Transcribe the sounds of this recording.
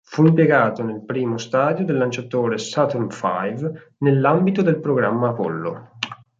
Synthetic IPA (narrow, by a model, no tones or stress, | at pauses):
fuimpjeɡaːt̪onelpɾiːmost̪aːd̪jod̪elːant͡ʃat̪oːɾesat̪unfa̰jv | nelːambit̪od̪elpɾoɡɾamːaːpo̰lːo̰